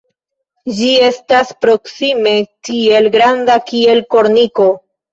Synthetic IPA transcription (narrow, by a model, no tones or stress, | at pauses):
d͡ʒie̞staspɾo̞ksime̞kie̞lɡɾandakie̞lko̞ɾniko̞